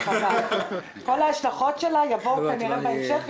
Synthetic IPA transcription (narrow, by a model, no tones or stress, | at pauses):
ama | ko̞laaʃlaχo̞tʃelajavo̞wkaniʁemaeʃef